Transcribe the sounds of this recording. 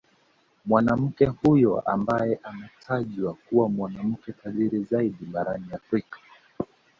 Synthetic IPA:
mwanam̩kɛhujɔʔa̰mbajɛʔanatʰaʄwakuwamwanam̩kɛkaðiɾizaiɗiɓaɾaniafɾikḁ

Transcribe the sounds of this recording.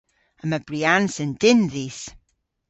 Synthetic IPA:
əmabriansənd̥ɪnðiːs

